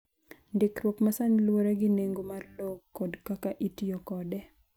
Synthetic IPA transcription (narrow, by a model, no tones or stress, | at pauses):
ndɪkrwɔkmasaɲlwoɾaɡɪneŋɡomarlokːodkakaʔitijokɔdɛ